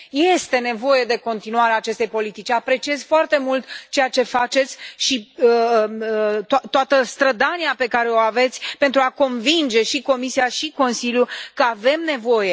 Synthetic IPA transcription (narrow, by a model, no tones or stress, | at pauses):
je̞st̪e̞nevo̞je̞d̪e̞ko̞nt̪inuaɾeaːt͡ʃe̞st̪e̞jpo̞lit̪it͡ʃʲapɾe̞t͡ʃie̞zfoart̪e̞mult̪t͡ʃejat͡ʃe̞fat͡ʃe̞t̪sʲʃiə | t̪at̪ːoat̪əst̪ɾəd̪aniape̞kaɾe̞oave̞t̪sʲpe̞nt̪ɾuako̞nvind͡ʒe̞ʃiko̞misiaʃiko̞nsiljukəave̞mne̞vo̞je̞